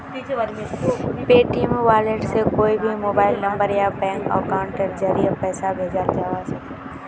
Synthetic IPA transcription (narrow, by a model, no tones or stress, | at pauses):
peːʈimʋaːleːʈsekoːibʱimoːbaːɪlnɐ̃mbəɾjapɛ̃ːŋkɔ̰ːɾkaʊ̃ɳʈəɾd͡ʒəɾiəpɛːsabʱeːd͡ʒald͡ʒaːʋasɐk